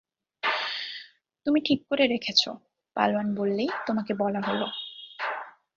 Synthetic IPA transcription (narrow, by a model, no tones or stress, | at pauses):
t̪umiʈʰikːoɾeɾekʰet͡ɕʰo̰ | pa̰loanbolːejt̪omakebɔlaɦolo